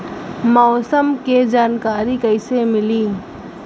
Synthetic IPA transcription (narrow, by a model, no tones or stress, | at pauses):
mɔːsəmked͡ʒaːnkaːɾikəɪsemɪliː